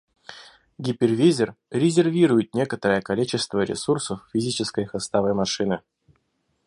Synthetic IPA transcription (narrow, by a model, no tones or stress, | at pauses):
ɡʲɪpʲɪrvʲizʲɪrɾʲɪzʲɪrvʲiɾʊjɪt̪̚nʲe̞kət̪əɾəjəkɐlʲit͡ɕɪst̪vəɾʲɪ̰sursəfːʲɪzʲit͡ɕɪskəjxɐst̪avəjmɐʂɨnɨ